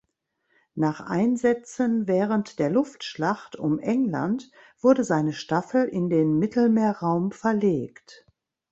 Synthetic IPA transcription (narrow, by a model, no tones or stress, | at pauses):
naːχʔaɪnzɛt͡sənvɛːʁəntd̥eːɐlʊftʃlaχtʰʊmʔɛŋla̰nt | v̥ʊɐdəzaɪnəʃtafl̩ʔɪndeːnmɪtl̩meːɐʁaʊmfɛɐleːkt